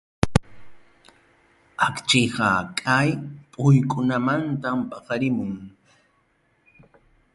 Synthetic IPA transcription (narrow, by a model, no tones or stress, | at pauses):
akt͡ʃɪɢɑkʼajpʼʊjkʼʊnamant̪ampʼɑqɑɾɪmʊŋ